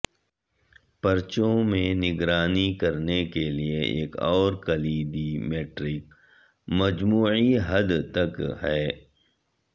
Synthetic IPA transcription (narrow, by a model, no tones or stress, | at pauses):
pɐɾt͡ʃõmẽnɪɡɾaːnikɐɾnekelieʔḛːkɔːɾkɐliːd̪imeːʈɾɪk | mɐd͡ʒmuːʕiɦɐd̪t̪ɐkɦɛː